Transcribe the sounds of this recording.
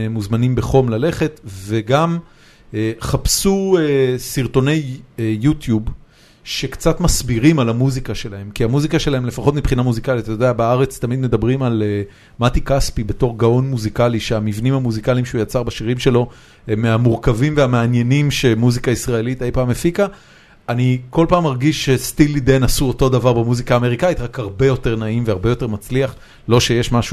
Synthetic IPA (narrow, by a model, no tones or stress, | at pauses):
muzmanimbe̞χo̞mlale̞χe̞t̪ve̞ɡam | eχapsuesiʁt̪o̞ne̞jːutjub | ʃe̞kt͡sat̪masbiʁimalamuzikaʃe̞lahe̞mkiamuzikaʃe̞laɦe̞mle̞faχo̞t̪mipχinamuzikalit̪atojodeabaaʁe̞t͡st̪amid̪me̞d̪abʁimale | mat̪ikaspibe̞to̞ʁɡao̞nmuzikaliʃeamivnimhamuzikaliimʃeujat͡saʁbaʃiʁimʃe̞lo̞ | emːeamuʁkavimve̞ameanje̞nimʃe̞muzikaisʁae̞lit̪ejpaːmefika | aniko̞lpaːmaʁɡiʃːest̪ilid̪enasuoto̞d̪avaʁbemuzikaːme̞ʁikait̪ʁakhaʁbe̞jo̞te̞ʁnaimveaʁbe̞jo̞te̞ʁmat͡sliaχ | lo̞ʃe̞jeʃmaʃu